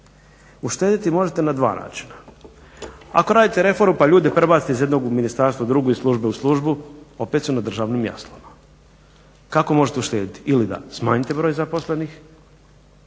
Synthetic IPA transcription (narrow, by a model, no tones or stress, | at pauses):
uʃt̪eːd̪it̪imo̞ʒet̪e̞nad̪ʋa̰ːnʔa̰ːt͡ʃi̥na | a̰ko̞ɾaːd̪it̪eɾe̞fo̞ɾmupaʎuːd̪e̞pɾebaːt̪i̥t̪eizjed̪noɡuminist̪aɾst̪ʋad̪ɾuɡoislˠuʒbeuslˠuʒbuo̞pet̪sunad̪ɾr̩ʒaːʋnimja̰st̪lˠoma | kako̞mo̞ʒet̪euʃt̪e̞ːd̪it̪iilid̪a̰smaːɲit̪e̞bɾo̞jzapo̞sle̞nix